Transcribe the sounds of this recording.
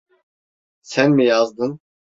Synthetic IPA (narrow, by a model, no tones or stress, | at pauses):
sɛnmɪjɑzd̪ɨn